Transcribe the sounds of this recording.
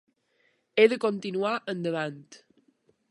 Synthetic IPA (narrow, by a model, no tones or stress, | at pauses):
eðəkont̪inuaʔənd̪əβant̪